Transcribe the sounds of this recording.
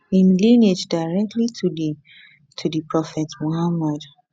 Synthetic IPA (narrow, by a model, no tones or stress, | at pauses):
ĩnlĩned͡ʒdaɪɹɛk̚tʰlitʰudi | tʰudipɹɔfɛtmohamad